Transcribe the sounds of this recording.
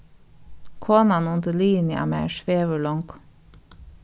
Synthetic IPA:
kʰoːnɑnʊnd̪əliːnj̰ɑ̰mæ̰ːʃʋeːʋəɭɔŋk

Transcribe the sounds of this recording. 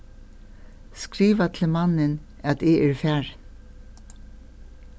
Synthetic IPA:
skɾiːʋɑt̪ʰl̩mɑnənɑt̪eʔæːɹfæɹ

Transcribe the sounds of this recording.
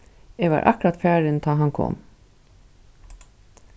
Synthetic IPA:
ɛːʋa̰ːɾʔɑ̰kɾat̪fæːɹɪnt̪ʰɑːɦɑnkʰɔ̰ːm

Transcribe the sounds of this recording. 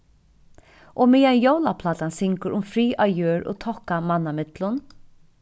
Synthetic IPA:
ʔoːmɪːjanjowlapʰlaːt̪ansɪŋkəɾʊmfɾiːʔajøːɹo̰t̪ʰɔhkamanːamɪt̪lʊn

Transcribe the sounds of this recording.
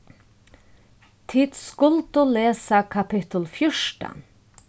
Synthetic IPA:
t̪ʰɪd̪̥skʊlt̪ʊleːsɑkʰɑpʰɪt̪əl̩fjʊʂʈə̰

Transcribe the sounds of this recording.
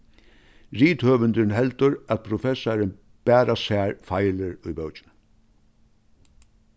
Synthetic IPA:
ɾiːt̪høːʋənd̪ɪnɦɛlt̪ʊɾæt̪̚pʰɾʊfɛsaɾɪn | b̥æːɾasæːɾfajlɪɾʊjbœwt͡ʃɪn

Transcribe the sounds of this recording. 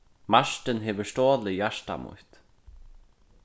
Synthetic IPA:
maʂt̪ɪnɦeːʋəst̪oːlɪjaʂt̪a̰mʊ̰ht̪

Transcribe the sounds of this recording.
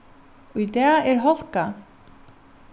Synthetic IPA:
ujt̪ɛːɛɾɦɔl̥ka

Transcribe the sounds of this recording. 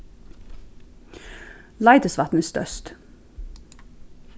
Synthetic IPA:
lɑɪd̪əsʋɑt̪n̩əst̪œ̰st̪

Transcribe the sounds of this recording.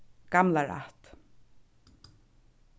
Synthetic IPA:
ɡ̥amlaɹa̰ht̪

